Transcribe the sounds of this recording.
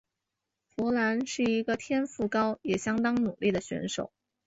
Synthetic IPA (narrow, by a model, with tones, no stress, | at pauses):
xwɔ˧˥la˧˥nʂɻ̩˥˩i˧˥ɡə˧t̪ʰjɛ˥nfu˥˩kɑ˥ʊjɛ˨˩ɕjɑ˥ŋt̪ɑ˥ŋnu˨˩li˥˩d̪ə˩ɕɥɛ̰˧˥nʂo˨˩˦ʊ